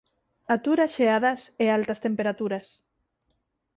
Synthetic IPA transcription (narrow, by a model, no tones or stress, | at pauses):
at̪uɾasʃeaðɐsealt̪ɐst̪empeɾat̪uɾɐs